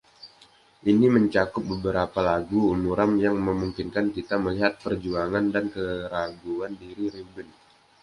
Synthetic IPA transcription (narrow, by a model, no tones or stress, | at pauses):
ʔiniməɲt͡ʃakʊp̚bəbəɾapalaɡuːmuɾamjaŋməmuŋkinkankit̪aməliɦat̪̚pərd͡ʒuaŋandankəɾaɡuandiɾiɾibɪn